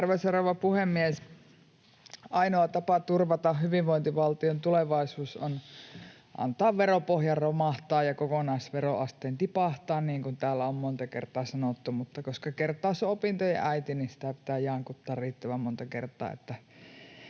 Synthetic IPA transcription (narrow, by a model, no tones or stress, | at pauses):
rʋesoroʋɑpuhemːies | ʔɑinoɑt̪ɑpɑt̪urʋɑt̪ɑhhyʋiʋʋoint̪iʋɑlt̪iont̪uleʋɑˑisuːson | ʔɑ̰nt̪ɑːʋʋeropohjɑrromɑˑht̪ɑːjjɑkokonɑisʋeroɑst̪eːnt̪ipɑˑht̪ɑːnniːŋkunt̪æːlːæommont̪ɑkḛrt̪ˑɑːsɑnot̪ːumut̪ːɑkoskɑkert̪ːˑɑˑːseopint̪ojɑ̰ʔæit̪ininsi̥t̪æpi̥t̪æːjɑŋkut̪ːɑːrriːt̪ːæʋæmmont̪ɑkert̪ˑɑ̰ːḛt̪ːæ